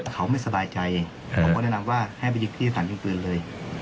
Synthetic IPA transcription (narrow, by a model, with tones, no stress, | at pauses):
kʰa˦˥wma˥˩jsa˧baː˧jt͡ɕa˧jʰ | wnɛ˥˩na˧mwaː˥˩ha˥˩jp̬a˧jɯ˦˥kt̪ʰiː˥˩a˧t̪ʰaː˩˦nt͡ɕɯ˧ŋt̪ɯː˧nlɤː˧j